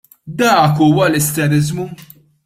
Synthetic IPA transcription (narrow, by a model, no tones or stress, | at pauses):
d̪ɐːkuːwɐlɛst̪ɛɾɪzmu